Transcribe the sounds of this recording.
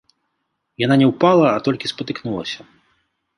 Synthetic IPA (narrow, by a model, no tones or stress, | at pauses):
jananʲɛwpalˠɐːt̪ɔlʲkʲispɐt̪ɨknulˠɐ̰sʲɐ